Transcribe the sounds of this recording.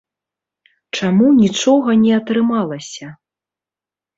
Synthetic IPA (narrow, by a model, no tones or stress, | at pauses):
t͡ʂamunʲit͡ʂɔɣɐnʲɛɐt̪ɾɨmalˠɐsʲɐ